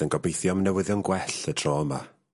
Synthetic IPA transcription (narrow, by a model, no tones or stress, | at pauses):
ənɡɔbejθjɔmnɛwɪðjɔnɡwɛɬətʰrɔːma